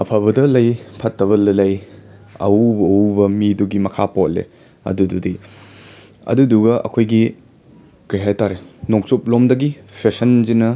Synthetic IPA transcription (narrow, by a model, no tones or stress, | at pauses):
ɐpʰɐbɐdɐlɐjpʰɐtːɐβɐlɐlɐjɐ̰ububɐmiduɡimɐkʰapot̚lḛ | ɐ̰dududi | ɐ̰duduɡɐʔɐ̰kʰojɡi | kɐjɦajtaɾenoŋ̚sup̚lomdɐɡipʰesɐnzinɐ